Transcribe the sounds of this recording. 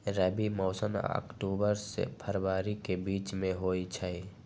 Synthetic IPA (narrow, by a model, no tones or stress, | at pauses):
ɾɛbimoːsənə̰kʈuːbəɾsḛpʰəɾʋaːɾikebiːt͡ʃmẽɦoːit͡ʃʰai